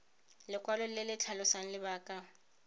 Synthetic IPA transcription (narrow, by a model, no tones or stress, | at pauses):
lɪkʼwalʊl̩lɪlɪt͡ɬʰalʊsaŋ̩lɪbaːkʼa